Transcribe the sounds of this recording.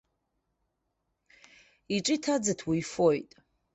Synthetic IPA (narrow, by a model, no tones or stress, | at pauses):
iʈ͡ʂʼitʰad͡zɨtʰwijfojtʼ